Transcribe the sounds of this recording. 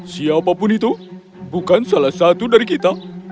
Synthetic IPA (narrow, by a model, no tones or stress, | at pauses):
ɕijapapunit̪o | bʱukansɐlɐsat̪uɖəɾkit̪a